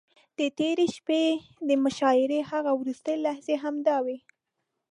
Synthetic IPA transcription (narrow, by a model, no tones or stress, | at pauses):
d̪̥ət̪eɾeʃped̪əmʊʃɑɪɾehaɣawɾust̪əjlahzeɦamd̪ɑwe